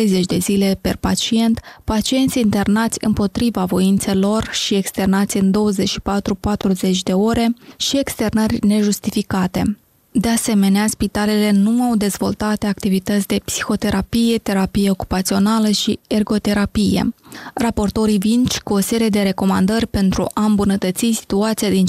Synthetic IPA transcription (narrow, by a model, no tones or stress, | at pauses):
ejze̞t͡ʃʲd̪e̞zile̞pe̞rpat͡ʃie̞nt̪pat͡ʃie̞nt̪sʲint̪e̞rnat̪sʲɨ̰mpo̞t̪ɾivavo̞int̪se̞lo̞rʃie̞kst̪e̞rnat̪sʲɨnd̪o̞wəze̞t͡ʃʃi̥pat̪ɾupat̪ɾuze̞t͡ʃʲd̪e̞o̞ɾe̞ʃie̞kst̪e̞rnərʲne̞ʒust̪ifikat̪e̞̰ | d̪e̞ase̞me̞neaspit̪ale̞le̞nuawd̪e̞zvo̞̰lt̪at̪e̞ak̚t̪ivit̪ət̪sʲd̪e̞psi̥xo̞t̪e̞ɾapije̞t̪e̞ɾapije̞o̞ku̥pat̪sio̞naləʃie̞rɡo̞t̪e̞ɾapije̞̰rapo̞rt̪o̞ɾivint͡ʃʲkuo̞se̞ɾije̞d̪e̞ɾe̞ko̞mand̪ərʲpe̞nt̪ɾṵʔaɨmbunət̪ət̪sisi̥t̪uat̪sijad̪in